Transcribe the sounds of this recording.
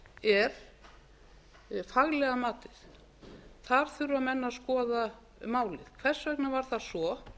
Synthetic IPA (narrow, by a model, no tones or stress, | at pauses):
ɛɾ̥ | faɣlɛɣamaːt̪ɪθ | θaɾ̥θʏɾʏamɛnːaskɔːða | maːwlɪð̥kʰvɛr̥svɛknavaɾ̥θasɔ